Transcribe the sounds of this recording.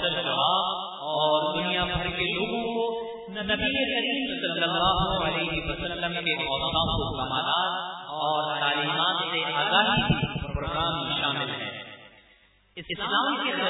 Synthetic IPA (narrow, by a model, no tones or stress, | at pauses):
ɐɾd͡ʒɐʋaːb | ɔɔːɾd̪ʊnijabʱɐɾkeloːɡõko | nɐbiekɐɾiːmsɐlːəlːaːɦuɐlɛːɦɪwɐsəlːəmkeʔɔːsãkokɐmaːlaːɾɔːɾt̪aːliːmaːt̪seʔaːɡaːɦibʱipɾoːɡɾaːmiʃaːmɪlɦɛ̰ː | ɪsɪslaːmike